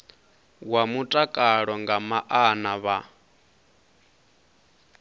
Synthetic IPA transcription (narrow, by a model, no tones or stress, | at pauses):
wamutʼakʼaɺɔŋɡamaʔanaβa